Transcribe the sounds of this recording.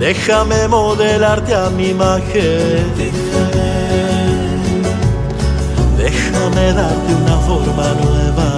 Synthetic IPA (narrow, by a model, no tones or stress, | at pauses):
d̪eʃːamːemod̪elart̪jamːimakʰːe | ke | d̪eʃːamelart̪iunaformanuɛva